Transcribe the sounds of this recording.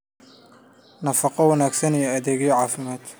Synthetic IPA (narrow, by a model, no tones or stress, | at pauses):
nɐfɑqɔwɑnaːɡsɐnijɛɐðɛːɣjɔʕɑːfɪmaːd̪